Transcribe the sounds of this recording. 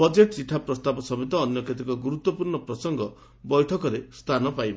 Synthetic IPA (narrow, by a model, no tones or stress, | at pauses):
bɔd͡ʒeʈsiʈʰapɾɔst̪abɔsɔbit̪ɔːnjɔket̪ikɔɡuɾut̪wɔpuɾɳɔpɾɔsɔŋɡɔ | bɔjʈʰɔkɔɾest̪ʰanɔpajbɔ